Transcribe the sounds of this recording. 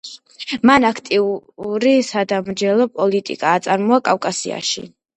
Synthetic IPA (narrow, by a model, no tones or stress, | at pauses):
manakʰt̪ʼiuɾisad̪amɾd͡ʒɛlˠɔpʼɔlit̪ʼḭkʼaːt̪sʼaɾmɔakʼafkʼasia̰ʃḭ